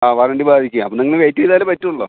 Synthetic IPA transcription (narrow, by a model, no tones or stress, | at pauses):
aːʋaːɾɐɳɖibaːd̪ʱikʲːuaɐpːoniŋːɐɭʋeːtːiʋiðaːlepɐtːuuɭːoː